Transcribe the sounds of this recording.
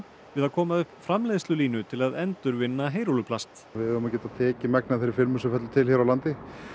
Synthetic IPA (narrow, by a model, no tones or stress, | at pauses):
vɪðaðkʰɔːmaðʏhpːfɾamleːðst̪lʏliːnʏt̪ʰɪlaðɛnt̪ʏɾvɪnːaɦeːjɾolʏpʰlast̪ | vɪðʏːmacɛːt̪aðt̪ʰɛːcɪmɛk̚naθejɾɪɾfɪlmʏsɛmfɛt̪lʏt̪ʰɪlçɛːɾawlant̪ɪ